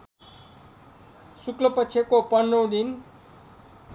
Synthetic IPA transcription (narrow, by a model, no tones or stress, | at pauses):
suklʌpʌt͡sʰekopʌnːʌw̃d̪in